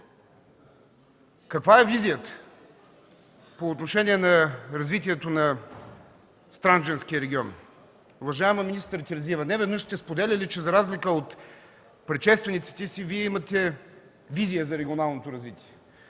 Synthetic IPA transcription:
kɐkvaɛvizijət̪ə̥ | poːt̪noʃɛnʲiɛnɐɾɐzvit̪iɛt̪onɐ | st̪ɾand͡ʒɛnskʲiəɾɛɡʲiɔn | uvɐʒaɛmɐminist̪ɾt̪ʲiɾɐzvivənɛvɛd̪nəʃst̪ɛspod̪ɛlʲɐlʲit͡ʃɛzɐɾazlʲikəot̪ | pɾɛtʃɛst̪vɛnit̪si̥t̪ɛsiviɛimɐt̪ɛ | vizʲijəzɐɾɛɡʲionalˠnot̪oɾɐzvit̪ʲiɛ

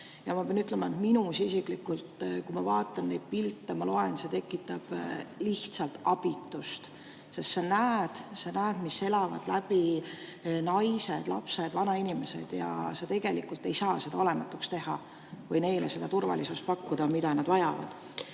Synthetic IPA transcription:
jɑmɑpeɑnyt̪ːˑlemɑet̪minusisiklikːult̪kujmɑvɑːt̪ːˑɑnːe̞jd̪̥̚pilt̪ːˑɑmɑlo̞e̞nse̞t̪e̞kːˑit̪ːɑb̥liht̪sɑlt̪ɑb̥it̪ːˑust̪ | sest̪senæːd̪̥senæːd̪̥misːe̞lɑvɑ̰d̪̥læb̥i | nɑjse̞d̪̥lɑ̰pse̞d̪vɑnɑinime̞se̞̰d̪̥jɑ̰set̪e̞ɡ̥e̞likːˑult̪ːe̞jsɑːse̞d̪ɑo̞le̞mɑt̪ːˑukst̪e̞hɑ | vɤjne̞jlese̞d̪ɑt̪urvɑ̰lisust̪̚pɑkːud̪̥ɑmid̪ɑnɑd̪̥vɑjɑvɑ̰d̪̥

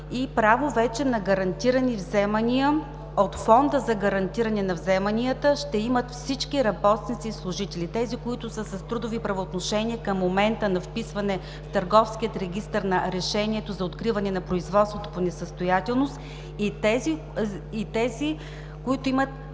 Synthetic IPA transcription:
ipɾavovɛt͡ʃɛnɐɡɐɾɐnt̪iɾənivzɛmɐniə | ot̪fɔnd̪əzɐɡɐɾɐnt̪iɾɐnɛnɐvzɛmɐniət̪əʃt̪ɛimət̪fsit͡ʃkiɾɐbɔt̪st̪nit̪sislˠʊʒit̪ɛlit̪ɛzikoit̪ʊsəsɐst̪ɾud̪ʊvipɾɐvoːt̪noʃɛnʲiəkəmːomɛnt̪ənɐfpisvɐnɛ | ft̪əɾɡɔfsk̟iət̪ɾɛɡ̟ʲist̪əɾnɐɾɛʃɛnʲiɛt̪ozɐot̪kɾivɐnɛnɐpɾoizvɔt̪st̪vot̪o̥ponɛsəst̪ojat̪ɛlˠnost̪ | it̪ɛziː | t̪ɛzi | koit̪ʊimət̪̚

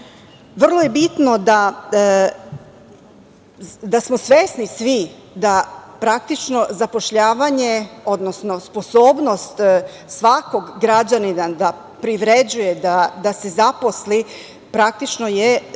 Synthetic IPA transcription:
ʋr̩lˠoje̞bit̪nod̪a | d̪asmosʋeːsnisʋi | d̪apɾak̚t̪it͡ʃno̞zapo̞ʃʎaːʋaɲe̞o̞d̪nosno̞spo̞soːbno̞st̪ | sʋako̞ɡːɾad͡ʑaninad̪a | pɾiʋɾed͡ʑujed̪ad̪ase̞zapo̞sli | pɾak̚t̪it͡ʃno̞je

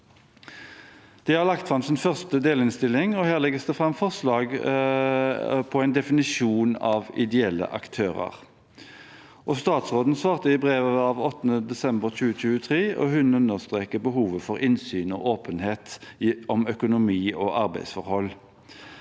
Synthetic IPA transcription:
d̪̥ɛhɑʁlɑkt̪fʁɑmsɪnfœʁst̪əd̪eːlɪnst̪ɪlːɪŋɔhæːʁlɛɡəst̪əfʁɑmfɔʁslɑːɡ | pʰɔæɪnd̪ɛfɪnɪʃuːnɑ̰ːʋɪ̰d̪ɛɛlːə̰ʔɑ̰kt̪ʰøːʁə̰ʁ | ʔɔst̪ɑːt̪sʁoːd̪n̩sʋɑːʁt̪əɪbʁeːʋəɑːʋɔt̪ːənəd̪ɛsɛmbəʁt͡ʃʉːət͡ʃʉːət̪ʰʁeːʔɔ̰hʉnʉnːəʁst̪ʁeːkəbəɦuːʋəfɔʁɪnsyːnɔ̰ːʔoːpənheːt̪ɔmœkʊnʊmiːɔʔɑʁbæɪsfɔʁhɔlː

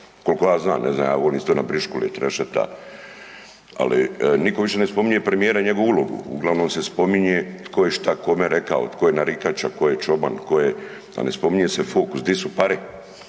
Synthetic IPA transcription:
ko̞lkojaːzna̰ːmnʔeznaːmja̰ːʋoliːmst̪oːnabɾiʃkulḛt̪ɾeʃet̪a̰ | a̰lḭnikoʋiʃe̞nespo̞miɲepɾemijeːɾaɲe̞ɡoʋuulo̞ɡṵuɡlˠaʋnoːmsespo̞miɲet̪kojeʃt̪ako̞meɾekao̰t̪kʰojenaɾikat͡ɕako̞jet͡ʃo̞bant̪koje | a̰nespo̞miɲesefoːkusd̪isupaɾi

